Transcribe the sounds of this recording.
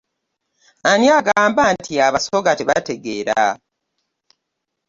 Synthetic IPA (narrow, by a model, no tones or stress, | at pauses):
anijaɡaːmbantʰiaβaso̞ɡateβate̞ɡe̞ːɾa̰